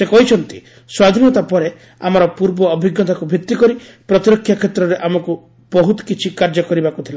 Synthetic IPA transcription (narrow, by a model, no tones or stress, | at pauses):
sekɔɦit͡ʃʰɔnt̪i̥ | swad̪ʱinɔt̪apɔɾe | a̰mɔɾɔpuɾbɔːbʱiɡːɔt̪akubʱjit̪ːikɔɾi | pɾɔt̪iɾɔkʰjakʰet̪ɾɔɾeʔamɔku | b̥ɔɦut̪ɔ̥kit͡ʃʰikaɾd͡ʒɔkɔɾibakut̪ʰila